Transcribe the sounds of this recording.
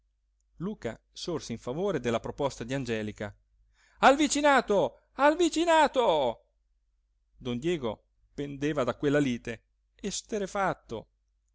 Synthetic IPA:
luːka̰ | sorseiɱfavoːɾed̪elːapɾopɔst̪ad̪iand͡ʒɛːlika | alvit͡ʃinaːt̪o | alvit͡ʃinaːt̪o | d̪ond̪jɛːɡo | pend̪eːvad̪akwelːaliːt̪e | est̪eɾefat̪ːo̰

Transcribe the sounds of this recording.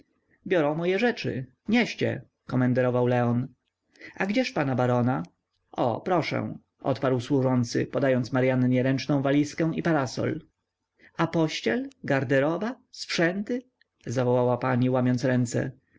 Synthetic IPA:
bʲjɔɾɔ̃w̃mɔjɛʐɛt͡ʂɘ̰ | ɲɛɕt͡ɕɛ̰ | kɔmɛnd̪ɛɾɔvawlɛɔn | aɡd͡ʑɛʂpanabaɾɔna | ɔ̰pɾɔʂɛ̰̃w̃ | ʔɔ̰t̪paɾwswuʐɔnt̪sɘ̰pɔd̪ajɔnt̪smaɾjanɲɛɾɛnt͡ʂnɔ̃w̃valʲiskɛ̃w̃ipaɾasɔ̰l | apɔɕt͡ɕɛlɡaɾd̪ɛɾɔba | sfʂɛnt̪ɘ | zavɔwawapaɲiwamʲjɔnt̪sɾɛnt̪sɛ̰

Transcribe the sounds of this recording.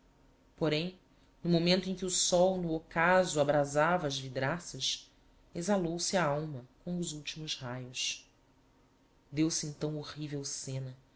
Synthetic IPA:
poɾẽj̃ | nʊmomẽnt̪ʊẽj̃kʲɪusɔwnʊokazʊabɾazavɐːzvid̪ɾasɐʃ | ezalowsɪaawmɐkõw̃ʊzuwt͡ʃimʊzhajʊs | d̪ewsɪẽnt̪ɐ̃w̃oʁivewsẽnɐ

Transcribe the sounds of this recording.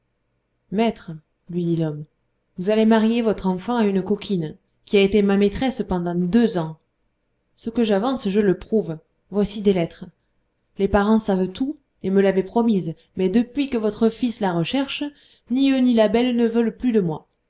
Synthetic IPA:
mɛt̪χə | lɥid̪ilɔm | vuzalemaʁjevɔt̪χɑ̃fɑ̃aynkɔkʰʲin | kʲiaet̪emamet̪χɛspɑ̃d̪ɑ̃d̪øzɑ̃ | səkəʒavɑ̃sʒələpχuv | vwasid̪elɛt̪χə | lepaʁɑ̃savt̪u | eməlavɛpχɔmiz | mɛd̪əpɥikəvɔt̪χəfislaʁəʃɛʁʃ | niønilabɛlnəvœlplyd̪əmwa

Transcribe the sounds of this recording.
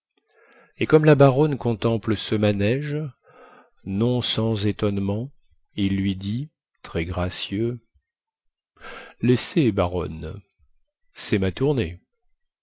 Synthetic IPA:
ekɔmlabaʁɔnkɔ̃t̪ɑ̃pləsəmanɛʒ | nɔ̃sɑ̃zet̪ɔnmɑ̃ | ilːɥid̪i | t̪χɛɡʁasjø | lɛsebaʁɔ̰n | sɛmat̪uʁne

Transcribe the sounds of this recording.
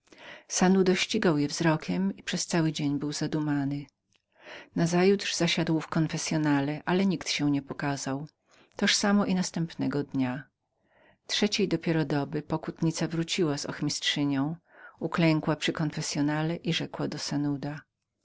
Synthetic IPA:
sanud̪ɔɕt͡ɕiɡawjɛvzɾɔkʲɛmipʂɛst̪sawɘd͡ʑeɲbɘwzad̪umanɘ | nazajud̪ʐ̥zaɕad̪wfkɔnfɛsʲjɔnalɛʔalɛɲikt̪ɕɛw̃ɲɛpɔkazaw | t̪ɔʂsamɔʔinast̪ɛmpnɛɡɔd̪ɲa | tʂɛt͡ɕejd̪ɔpʲjɛɾɔd̪ɔbɘpɔkut̪ɲit̪savɾut͡ɕiwazɔ̰xmʲistʂɘɲɔ̃w̃uklɛŋkwapʂɘkɔnfɛsʲjɔnalɛʔiʐɛkwad̪ɔsanud̪a

